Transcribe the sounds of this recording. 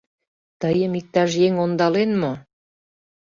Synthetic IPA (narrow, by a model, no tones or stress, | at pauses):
t̪əjəmik̚t̪ɑʃjeŋond̪ɑlenmo